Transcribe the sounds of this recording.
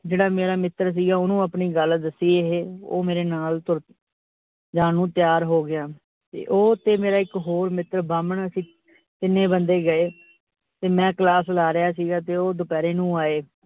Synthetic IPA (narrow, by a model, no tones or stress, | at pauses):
d͡ʒeːɽaːmeːɾaːmɪt̪ɾs̬iːɡaːoːnũːəpɳiːɡəld̪əsːiːeɦeːo̰ːmeːɾeːnaːlt̪ʊɾ | d͡ʒaːnũːt̪jaːɾɦoːɡɪaː | t̪ḛːʔoːt̪eːmeːɾaːɪkɦoːɾmɪt̪ɾbaːməɳəsĩː | t̪ɪnːẽːbənd̪eːɡəeː | t̪eːmɛ̃ːklaːslaːɾɪjaːsiːɡaːt̪eːoːd̪ʊpɛːɾeːnũːaːeː